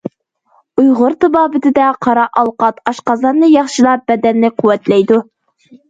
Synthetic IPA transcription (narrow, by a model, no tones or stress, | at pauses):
ujʁʊɾt̪ɨbɑːbɪt̪ɪd̪ɛqʰɑɾɑʔɑlˠqɑt̪ɑʃqɑzɑnːɨjɑχʃɨlˠɑp̚bɛd̪ænːɪqʰuwːæt̪lɛjd̪u